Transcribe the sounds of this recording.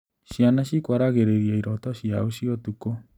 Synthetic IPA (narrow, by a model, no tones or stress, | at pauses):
ɕjanaɕikwaɾaɣeɾeɾjaiɾɔtɔɕiaoɕiɔtuko